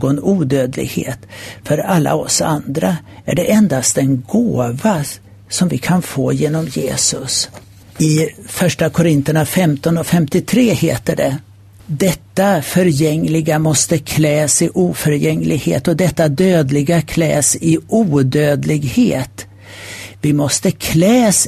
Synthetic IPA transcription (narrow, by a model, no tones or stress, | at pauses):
ɡɔnuːd̪øːd̪lɪ̰ɡhḛːt̪fœɾalːa̰ɔsa̰nd̪ɾaæ̰ɖɛʔɛnd̪ast̪̚d̪ɛnɡoːva | sɔmvɪkʰanfoːjeːnɔmjḛːsɵs | ɪfœʂʈakʰʊɾɪnt̪əɳafɛmt̪ɔnɔfɛmt̪ɪt̪ʰɾeːheːt̪əɖɛ | d̪ɛt̪ːafœɾjɛŋːlɪɡamɔst̪əkʰlɛːsɪʔuːfœɾjɛŋːlʔɪɡhḛːt̪ɔd̪ɛt̪ːad̪øːd̪lɪɡakʰlɛ̰ːsɪuːd̪øːd̪lɪɡheːt̪ | vɪmɔst̪əkʰlɛːs